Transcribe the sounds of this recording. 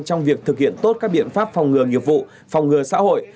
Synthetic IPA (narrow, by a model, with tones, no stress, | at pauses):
t͡ɕɔ˧wŋ͡mvi˨˩ək̚t̪ʰɨ˨˩k̚hḭ˧˨ənt̪o˦˥t̚kaː˦˥k̚ɓḭ˧˨ənfaː˦˥p̚fwŋ͡mŋɨ˨˩əŋi˨˩əp̚vṵ˧˨ | fɔ˨˩wŋ͡mŋɨ˨˩əsa̰ː˧˥ho̰˧˨j